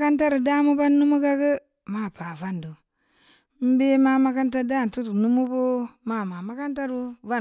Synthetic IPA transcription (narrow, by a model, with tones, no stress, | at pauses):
ka˦nta˦ɾu˨da˦mu˦ba˦nːu˦mu˦ɡa˦ɡə˦ | ma˦˨pa˨va˦ndu˨ | m̩˦be˦ma˦ma˦ka˦nta˦da˦˨tu˦tnu˦mu˦bo˦ma˦˨ma˨ma˦ka˦nta˦ɾu˦va˦